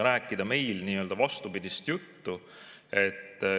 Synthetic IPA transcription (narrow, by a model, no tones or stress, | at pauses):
ɾæːkːˑid̪̥ɑme̞jlniːø̞ld̪̥ɑvɑst̪upid̪̥ʲist̪jut̪ːu | e̞t̪ː